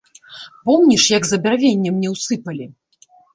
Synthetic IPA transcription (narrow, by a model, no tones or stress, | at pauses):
pɔmnʲiʂjɐɡzɐbʲarvʲenʲːɛmnʲɛwsɨpɐlʲi